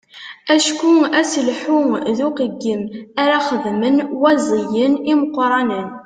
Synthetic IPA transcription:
æʃkuæsəlħuðuqəɡːəmaɾaχəðmənwæzˤijəniməqːɾˤɑnən

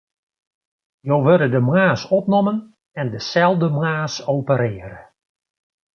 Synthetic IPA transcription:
jowʋøɾədəmwaːsɔpnɔmən | ɛndəsɛlˠvdəmwaːsowpəɾɪːəɾə

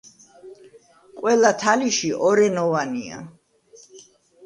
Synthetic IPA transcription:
kʼwɛlat̪ʰaliʃiʔɔɾɛnɔvania̰

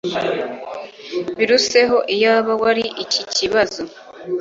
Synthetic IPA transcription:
βiɾuse̞ɦo̞ʔijaβawaɾiʔiciciβazo̞

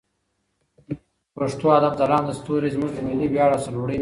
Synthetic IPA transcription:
paʂt̪oad̪ab̚zalɑːnd̪əst̪uɾizmuʐd̪əmɪlibjɑːɽasɐloɽi

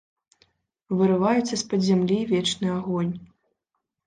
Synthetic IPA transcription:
vɨɾɨvajɛt̪sːɐspɐd̪ʲzʲamlʲivʲɛt͡ʂnɨaɣɔnʲ

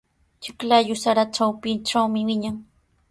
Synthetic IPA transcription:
t͡ʃɪklajʊsaɾaʈ͡ʂawpɪnʈ͡ʂawmɪwɪɲaŋ

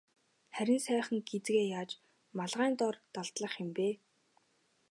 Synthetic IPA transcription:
χæɾʲɪ̆nsæːχə̆ŋɡet͡sɡeːjaːt͡ɕ | maɮʁæːnt̪ɔrt̪aɮt̪ɮə̆χɪ̆mpeː

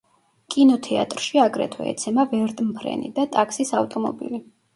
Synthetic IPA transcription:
kʼinɔt̪ʰɛa̰t̪ʼɾʃiaɡɾɛ̰t̪ʰwɛ̰ːt̪sʰɛmavɛɾt̪ʼmpʰɾɛ̰nḭd̪at̪ʼaksisaft̪ʼɔmɔ̰bḭli

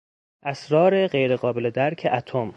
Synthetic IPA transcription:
ʔæsɾɒːɾe̞ɢe̞jɾeɣɒːbeled̪æɾkʰeʔæt̪ʰom

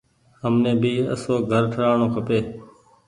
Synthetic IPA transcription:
ɦəmnẽːbiːə̰soːɡʱəɾʈʰəɽaːɳoːkʰəpeː

